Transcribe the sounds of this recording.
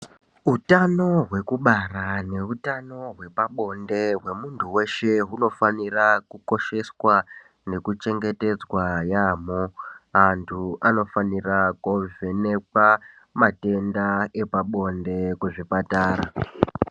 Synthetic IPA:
utano̞ɦwe̞kuɓarane̞utano̞ɦwe̞paɓo̞nde̞ɦwe̞muntʰuwe̞ʃe̞ɦuno̞fanirakuko̞ʃe̞swa | ne̞kut͡ʃe̞ŋɡe̞te̞d͡zwajamoantʰuano̞fanirakovene̞kwa | mate̞ndae̞paɓo̞nde̞kweʐipataːɾa

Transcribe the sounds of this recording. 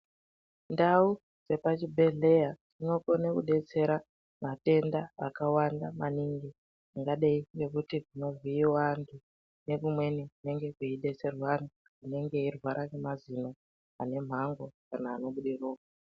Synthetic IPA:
ndau | d͡ze̞pat͡ʃibʱe̞ɮe̞jad͡zino̞konekuɗe̞t͡se̞ɾa | mate̞ndaakawandamaniŋɡi | iŋɡaɗeiŋɡe̞kutiʐino̞viːwantʰu | ne̞kumwe̞niine̞ŋɡe̞kiiɗe̞t͡se̞rwani | ine̞ŋɡe̞irwaɾʔakemazino̞ | ane̞m̤aŋɡo̞kanaːno̞ɓuɗiroːka

